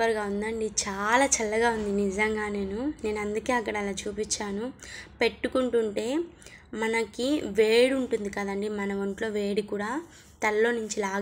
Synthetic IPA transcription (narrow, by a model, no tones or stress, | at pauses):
ɐɾɡaːund̪ɐɳɖit͡ʃaːlaːt͡ʃɐlːɐɡaːund̪inizɐŋɡaːne̞ːnune̞ːnuɐnd̪uke̞ːɐkːɐɽɐɐlaːt͡ʃuːpit͡ʃːaːnupe̞ʈːukuɳʈuɳʈe̞ː | mɐnɐkiʋeːɽuɳʈund̪ikɐd̪ɐɳɖimɐnɐʋɐɳʈlo̞ːʋe̞ːɽikuːɽaː | t̪ɐɾlo̞ːnuɲt͡ʃilaː